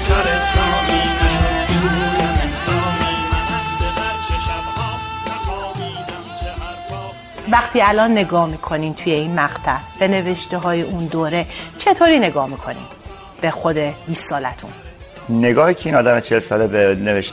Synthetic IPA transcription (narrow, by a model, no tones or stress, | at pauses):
væχt̪ʰiːælɒːnːe̞ɡɒːhmiːkʰo̞niːmt̪ʰuːje̞iːnmæɣt̪ʰæb̥e̞ne̞ve̞ʃt̪eɦɒːjeʔund̪oːɾe̞t͡ʃʰe̞t̪ʰoɾiːne̞ɡɒːhmiːkʰo̞nḭːm | b̥e̞xod̪e̞biːsːɒːlæt̪ʰṵn | ne̞ɡɒːhiːcʰeiːnɒːd̪æmet͡ʃʰelsɒːlebeneveʃ